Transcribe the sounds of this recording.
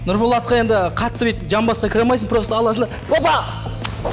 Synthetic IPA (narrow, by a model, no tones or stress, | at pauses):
nʊɾbolˠɑt̪̚qɑje̞nd̪ɪqʰɑt̪ːəbet̪ʒɑmbɑsqɑkʲʰɪɾɑmɑjsəɴpɾost̪əɑlˠɑsənd̪ɑɾbopɑ